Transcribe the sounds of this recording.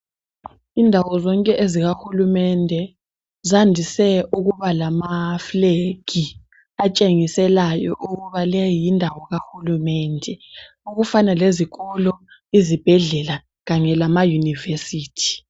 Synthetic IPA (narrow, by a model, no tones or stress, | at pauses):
indʱawɔzɔŋkʼɛʔeziɣaxulumɛndʱɛ | zandʱisɛuɣuβalamafleɡ̥ʱi | at͡ʃʼeŋisɛlajɔʔuɣuβalɛjindʱawɔɣaxulumɛndʱɛ | uɣufanaleziɣɔlɔ | izib̥ʱɛɮɛla | ɣaɲɛlamajunivesiːtʰi̥